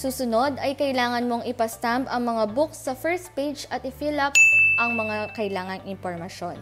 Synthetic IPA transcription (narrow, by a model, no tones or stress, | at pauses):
suːsʊno̞d̪ɐjkɐʔɪlaːŋɐnmo̞ŋɪpɐst̪ampɐŋmɐŋabʊksːɐfɛɹst̪pejd͡ʒɐt̪̚ɪfilɐpʔɐŋmɐŋakɐɪlaːŋɐŋɪnpoɹmɐʃo̞̰n